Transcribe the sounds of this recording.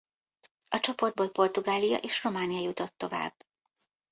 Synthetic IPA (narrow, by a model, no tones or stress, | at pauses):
ɒt͡ʃo̞po̞rd̪̚boːlpo̞rt̪uɡaːlijɒ̰ʔeːʃro̞maːnijɒjut̪o̞t̪ːo̞va̰ːbː